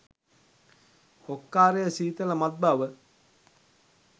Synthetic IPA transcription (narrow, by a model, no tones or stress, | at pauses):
okːaːɾejəsiːt̪əlɐmat̪̚baʋə